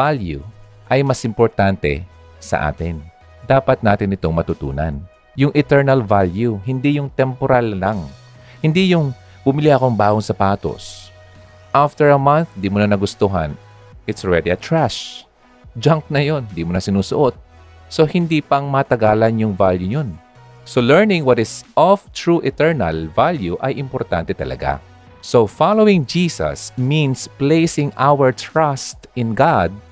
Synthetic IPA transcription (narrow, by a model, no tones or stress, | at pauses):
valjṵ | ʔɐjmɐsʔɪmpoɹt̪ant̪ɛ̰ | sɐ̰ʔa̰ːt̪ɪn | d̪aːpɐt̪̚naːt̪ɪnɪt̪o̞ŋmɐt̪ʊt̪ṵːnɐ̰n | jʊŋʔɛt̪ɛɹnɐlvaljuhɪnd̪ijʊŋt̪ɛmpoɾalːaŋ | hɪnd̪ijʊŋ | bʊmɪliʔɐko̞ŋbaːɡoŋsɐpaːt̪o̰s | ʔaft̪ɛɹɐmanθd̪iːmʊnanɐɡʊst̪uɦɐ̰n | ʔɪt̪sɹɛd̪iɐt̪ɹaʃ | d͡ʒaŋk̚nɐjo̞nd̪imʊnɐsɪnuːsʊʔot̪̚ | so̞hɪnd̪iːpɐŋmɐt̪ɐɡaːlɐnjʊŋvaljuɲon | solɛɹnɪ̃ŋwɐt̪ɪsɔft̪ɹuʔɪt̪ɛɹnɐ̰lvaljuʔɐjʔɪmpɔɾt̪a̰nt̪ɛt̪ɐlɐ̰ɡa̰ | sofalowɪ̃ŋd͡ʒiːsɐ̰smĩnsplejsɪŋʔawɛɹt̪ɹast̪ɪ̃nɡad̪̚